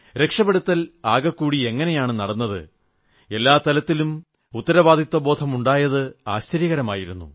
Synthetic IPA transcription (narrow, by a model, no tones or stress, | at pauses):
ɾe̞kʂɐbeɽut̪ːɐlaːɡɐkːuːɽie̞ŋːɐne̞jaːɳɨnɐɽɐnːɐðɨ̰ | e̞lːaːt̪ɐlɐt̪ːilum | ut̪ːɐɾɐʋaːd̪ʱit̪wɐbo̞ːd̪ʰʱɐmuɳɖaːjɐðɨaːɕt͡ɕɐɾjɐɣɐɾɐmaːjiɾunːṵ